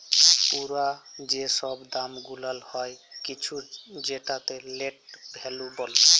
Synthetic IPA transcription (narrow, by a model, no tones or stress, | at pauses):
puɾad͡ʒesɔbd̪amɡulalhɔjkit͡ʃʰud͡ʒeʈat̪eleʈbʱelubɔle